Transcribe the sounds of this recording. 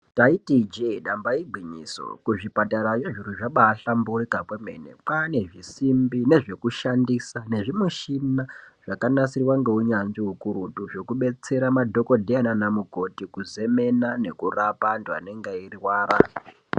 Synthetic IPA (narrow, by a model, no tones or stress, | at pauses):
taitid͡ʒeiɗambaiɡ͡bʱiɲḭso̰kuʐipataɾajeʐiɾuʐaɓaːɬamburikakwemḛnḛk͡pane̞ʐisimbine̞ʐe̞kuʃandisane̞ʐimeʃinaʐ̥akanasirwaŋɡe̞uɲanziɦukuɾutuʐo̞kuɓe̞t͡se̞ɾamadʱo̞ko̞dʱeananamuko̞tikuze̞me̞nane̞kurapantua̰neŋɡeiriwaːɾa